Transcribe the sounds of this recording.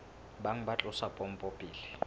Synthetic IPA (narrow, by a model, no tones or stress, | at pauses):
baŋ̩bat͡ɬʼʊsapʼɔm̩pʼopʼiːlɪ